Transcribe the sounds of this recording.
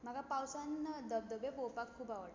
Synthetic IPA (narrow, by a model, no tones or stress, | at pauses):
m̤əɡapawsãnd̪əb̚d̪əbepopakʰːuːbaʋəʈ